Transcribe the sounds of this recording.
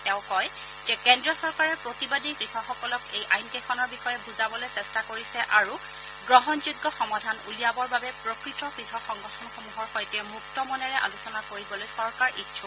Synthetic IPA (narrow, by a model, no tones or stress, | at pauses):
tɛʊ̃kɔj | z̥ɛkɛndɹiɔsɔɹkaɹɛpɹotibadikɹixɔxɔkɔlɔkejʔajnkexɔnɔɹbixɔjɛbuzabɔlojsɛstakoɹisɛʔaɹu | ɡɹɔɦɔnzuɡːɔxɔmadʱanulijabɔɹbabɛpɹokɹitɔkɹixɔxɔŋɡɔtʰɔnxomuɦɔɹxɔjtɛmɹuktɔmɔnɛɹɛʔa̰lusɔnakoɹibɔlojsɔɹkaɹʔitʃʰu